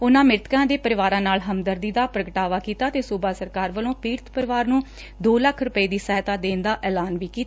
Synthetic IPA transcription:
ʊnãːmɪɾt̪kãːd̪eːpəɾɪʋaːɾãːnaːlɦəmd̪əɾd̪iːd̪aːpɾəɡəʈaːʋaːkiːt̪aːt̪eːsuːbaːsəɾkaːɾʋəlõːpiːɾt̪ʰpəɾɪʋaːɾnũː | d̪oːləkʰɾʊpəiːd̪iːsɛːt̪aːd̪eːnd̪aːʔɛːlaːnʋiːkiːt̪ː

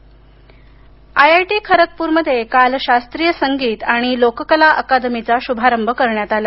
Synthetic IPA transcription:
ajajʈiːkʰəɾək̚puːɾməd̪ʱːjekalɕast̪ɾijəsəŋɡiːt̪aɽ̃ilokəkəlaʔəkad̪mit͡saɕubʱaɾəmbʱəkəɾɳjat̪ala

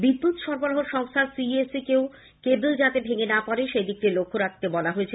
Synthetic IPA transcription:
bibːut̪ʃɔɾboɾɔɦoɾʃɔŋst̪ʰasiesikeo | kebuld͡ʑat̪ebʱeŋenapɔɾeʃejd̪ik̚ʈilokʰːoɾakʰt̪ebɔlaɦoet͡ɕʰe

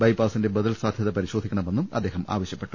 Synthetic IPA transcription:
bɐjbaːsinde̞bɐðɐlsaːd̪ʱjɐðɐpɐɾiɕo̞d̪ʱikʲːɐɳɐme̞nːumɐ̰d̪ːe̞ːɦɐma̰ːʋɐɕjɐpːe̞ʈːu

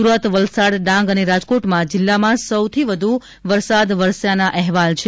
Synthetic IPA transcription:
uɾət̪ʋəlsaɽɖãŋɡəneɾad͡ʒkoʈmãd͡ʒɪlːamãsəwt̪ʰiʋəd̪ʱu | ʋəɾsad̪ʋəɾsjanaʔɛɦʋalt͡ʃʰe

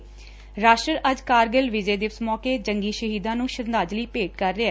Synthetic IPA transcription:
ɾaːʃʈəɾʔəd͡ʒkaːɾɡəlʋɪd͡ʒeːd̪ɪʋsmɔːkeːd͡ʒəŋɡiːʃəɦiːd̪ãːnũːʃəɾnd̪aːd͡ʒliːpeːʈ̚kəɾːɪɛː

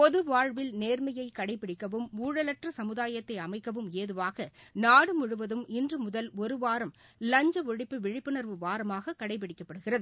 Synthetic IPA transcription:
pɔðɯʋaːɻʋɪlneːrmɐjɐɪkɐɽɐɪpːɪɽɪkːɐʋɯmuːɻɐlɐʈrɐsɐmɯðaːjɐt̪ːɐɪɐmɐɪkːɐʋɯmeːðɯʋaːɣɐnaːɽɯmʊɻɯʋɐðɯmɪndrɯmʊðɐlɔɾɯʋaːɾɐmlɐɲd͡ʒɐɔɻɪpːɯʋɪɻɪpːɯnɐɾʋɯʋaːɾɐmaːɣɐkɐɽɐɪp̬ːɪɽɪkːɐpːɐɽɯɣɪrɐðɯ

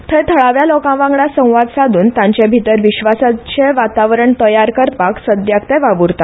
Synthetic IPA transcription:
t̪ʰet̪ʰəɭaʋjalokãʋãŋɡɳasə̃w̃ʋad̪sad̪uːnt̪jãɲt͡ɕebʱit̪əɾʋiɕʋasat͡ɕeʋat̪aʋɾəɳt̪əjaɾkəɾpaksəd̪jakt̪eʋaʋuɾt̪a

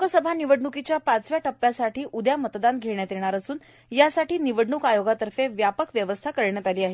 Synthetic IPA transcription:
ukəsəbʱaniʋəɖɳukit͡ɕjapat͡sʋjaʈəpːjasaʈʰiːʔud̪jamət̪d̪anɡʱeɳjat̪eɽ̃aɾəsuːn | jasaʈiːniʋəɖɳukajoɡat̪əɾfeʋjapəkʋjəʋəst̪ʰakəɾɳjat̪aliːaɦe

